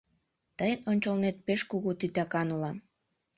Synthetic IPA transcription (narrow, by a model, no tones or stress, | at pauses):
t̪əjənonʲt͡ɕəlnet̪̚peʃkuɣut̪it̪ɑkɑnulɑm